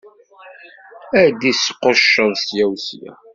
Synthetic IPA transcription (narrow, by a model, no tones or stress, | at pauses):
æd̪isqːʊʃənsjæwsjæ̰